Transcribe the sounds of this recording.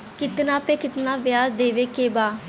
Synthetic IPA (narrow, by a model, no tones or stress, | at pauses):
kɪt̪nãːpeːkɪt̪nãːʋjaːzd̪eːʋeːkeːbaː